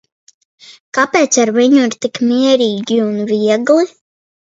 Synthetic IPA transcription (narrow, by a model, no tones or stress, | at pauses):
kapɛːt̪saɾviɲuiɾt̪ikmiɛɾiːɡʲiunviɛɡlˠi